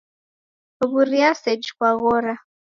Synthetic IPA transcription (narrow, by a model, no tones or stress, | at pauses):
βuɾiasɛd͡ʒkwaɣɔɾa